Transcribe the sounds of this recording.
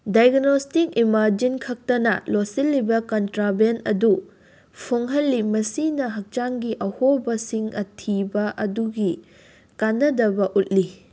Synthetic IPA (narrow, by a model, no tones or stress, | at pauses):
dajɡnostik̚imaɾd͡ʒinkʰɐk̚tɐnɐ̰losilːibɐkɐntɾabenɐdu | pʰoŋɦɐlːimɐsinɐɦɐk̚t͡ʃaŋɡiʔɐhobɐsiŋɐtʰibɐʔɐduɡi | kanːɐdɐbɐʔut̚li